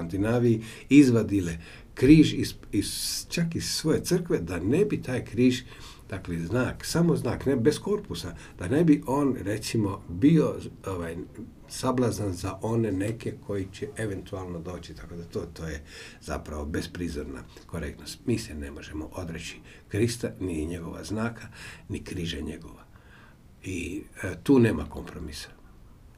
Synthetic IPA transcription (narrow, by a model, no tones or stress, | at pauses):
ant̪inaːʋii | izʋad̪ile | kɾiːʒis | izt͡ʃakiz̥sʋo̞je̞t̪sɨr̩kʋed̪anebit̪ʰaːjkɾiːʒ | d̪̥akleznaːksamoznaːknebe̞skoɾpusa | d̪̥anebiʔo̞ːnɾe̞t̪simo̞biooʋaj | sablˠazanzaʔo̞nene̞kekʰo̞jit͡ɕeʔeʋe̞nt̪ualˠnod̪o̞ːt͡ɕi̥t̪ako̞d̪at̪oːt̪oːjeza̰pɾaʋobe̞spɾizoɾna̰ | ko̞ɾek̚t̪no̞st̪miːsɛne̞mo̞ʒemo̰ʔo̞d̪ɾet͡ɕi̥ | kɾist̪aniɲeɡo̞̰ʋa̰znaːkʰanikɾiʒaɲeɡo̞ʋa | it̪uːne̞ːmako̞̰mpɾomisḁ